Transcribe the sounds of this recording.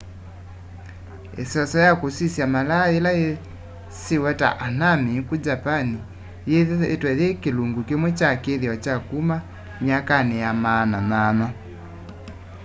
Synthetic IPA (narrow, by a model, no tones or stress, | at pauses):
ḛsɔsɔjakosisjamalaelae | siwɛta̰ʔanamikud͡ʒapani | jeetwɛðekeluŋɡukemwɛt͡ʃakeðiɔt͡ʃakuma | ɲakanɛjamananana